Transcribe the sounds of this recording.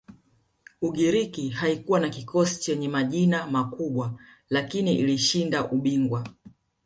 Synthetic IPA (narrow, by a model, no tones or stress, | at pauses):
uɠiɾikihaikuwanakikɔsi̥t͡ʃɛɲɛmaʄinamakuɓwa | lakiniʔiliʃindaʔuɓiŋɡwa